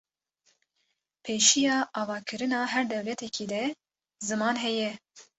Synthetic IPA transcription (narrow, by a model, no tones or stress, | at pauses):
pʰeːʃijɑːʔɑːvɑːkʰɨɾɨnɑːɦɛɾd̪ɛwlɛt̪ʰɛkʰiːd̪ɛ | zɨmɑːnɦɛjɛ